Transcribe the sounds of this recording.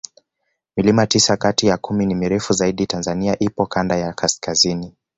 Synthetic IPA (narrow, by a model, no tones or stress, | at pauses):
milimatisakatijakuminimiɾɛfuzaiɗitanzaniaʔipɔkandajakʰaskazini